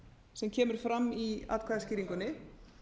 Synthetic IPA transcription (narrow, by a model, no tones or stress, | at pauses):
sɛmcʰɛːmʏɾ̥fɾamːia̰ːðkʰvaːðasciːɾiŋkʏnɪ